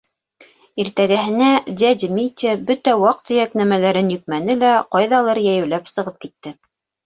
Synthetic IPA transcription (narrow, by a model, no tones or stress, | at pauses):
iɾt̪æɡæɦɘ̆næd̪ʲæd̪ʲmʲit̪ʲebɵt̪æwɑq̚t̪ɵ̆jæknæmælæɾɘnjɵ̆k̚mænɘlæqɑjðɑlˠɤɾjæjɘ̆wlæpsɤ̆ʁɤp̚kit̪ːɘ